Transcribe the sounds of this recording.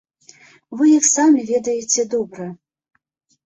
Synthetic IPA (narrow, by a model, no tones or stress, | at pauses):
vɨjaxsamʲivʲɛd̪ɐjet͡sʲɛd̪ɔbɾɐ